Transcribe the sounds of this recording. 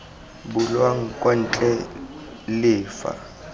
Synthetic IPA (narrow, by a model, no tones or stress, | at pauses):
bʊlwaŋ̩kʼɔn̩t͡ɬʼɛ | lɪːfa̰